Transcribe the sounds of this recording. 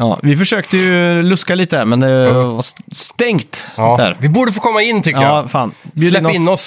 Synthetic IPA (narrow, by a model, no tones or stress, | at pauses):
jɑ̰ːvɪfœʂøːkt̪əjɵlɵskaliːt̪əæɾmɛnd̪ɛvast̪ɛŋt̪ːd̪æ̰ːɾɪbuːɖəfoːkʰɔmːaɪnːt̪ʰʏkəjɑaːfɑ̰ːnbjʉdlɛɪnːɪnːɔs